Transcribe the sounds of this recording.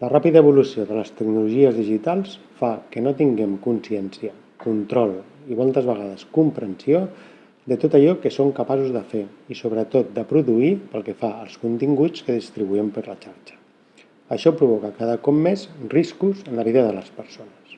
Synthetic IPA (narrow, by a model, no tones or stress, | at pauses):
lərapiðəəβ̞ulusioðələst̪əknuluʒiəzðiʒit̪alˠs | fakənot̪iŋɡɛmkunsiɛnsjə | kunt̪ɾɔl | imɔlˠt̪əzβəɣað̞əskumpɾənsio | d̪ət̪ot̪əʎɔkəsoŋkapasuzðəfeisoβɾət̪ot̪̚d̪əpɾuðuipəlˠkəfaəlˠskunt̪iŋɡut͡skəðist̪ɾiβuɛmpəɾlət͡ʃaɾt͡ʃə̥ | əʃɔpɾuβ̞ɔkəkaðəkɔp̚mezriskuzənləβiðəðələspəɾsonəs